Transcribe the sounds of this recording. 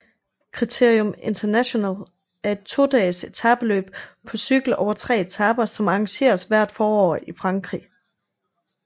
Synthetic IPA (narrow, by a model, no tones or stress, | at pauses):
kʰʁit͡sʰe̝ɐ̰ijome̝nt͡sʰɐnæɕo̝næ̰l | æɐe̝d̥̚t͡sʰo̝ːd̥ɛ̰ːse̝t͡sʰæb̥əlø̰ːb̥̚ | pʰɒ̽syɡ̥l̩ɒʊɐt͡sʰʁɛ̰ːe̝t͡sʰæb̥ɐsɒ̽mɑ̈ɑŋɕe̝̰ːɐsʋæɐ̰d̥fɒːɒ̰ːifʁɑ̈ŋɡ̥ʁi